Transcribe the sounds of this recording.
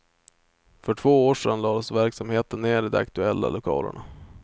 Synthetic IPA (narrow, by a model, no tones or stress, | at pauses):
fœʈʰv̥oːoːʂɛnlɑːd̪ɔsvæɾksamheːt̪ənːeːɖɪd̪ɛakt̪ɵɛlːa̰lʊkʰɑ̰ːlə̰ɳa